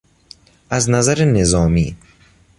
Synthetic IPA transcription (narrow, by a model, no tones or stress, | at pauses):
ʔæznæzæɾenezɒːmiː